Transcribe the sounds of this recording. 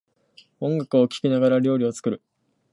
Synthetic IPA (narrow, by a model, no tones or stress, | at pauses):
õ̞ŋɡakɯ̟o̞kʲi̥kʲinaɡaɾaɾʲo̞ːɾʲio̞t͡sɨ̥kɯ̟ɾɯ̟